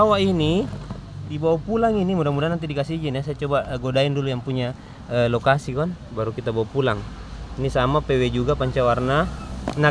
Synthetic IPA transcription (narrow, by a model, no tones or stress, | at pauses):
awaini | dibawapulaŋinimudamudanant̪̬idikasid͡ʒaniasajat͡ʃɔbaʔɡodaindulujaŋpuɲa | əlɔkasikɔn | baɾukit̪abawapulaŋ | inisamapɛwɛd͡ʒuɡapaɲt͡ʃawarnana